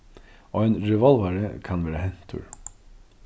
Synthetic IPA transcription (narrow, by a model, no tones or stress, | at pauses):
oːeːnɾɛʋɔlʋɑɾəkʰɑnʋæːɾəhɛnt̪ʰːʉ̰ːɹ